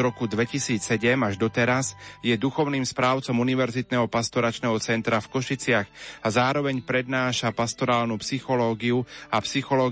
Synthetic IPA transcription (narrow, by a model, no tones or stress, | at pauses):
ɾɔkud̪ʋɛcisiːt͡ssɛɟɛmaʒd̪ɔt̪ɛɾasjɛd̪uxɔʊniːmspɾaːʊt͡sɔmuniʋɛɾzit̪nɛːɦɔpast̪ɔɾat͡ʃnɛːɦɔt͡sɛnt̪ɾafkɔʃit͡sɪaɣazaːɾɔʋɛɲpɾɛd̪naːʃapast̪ɔɾaːlnuːpsixɔlɔːɡiuapsixɔlɔː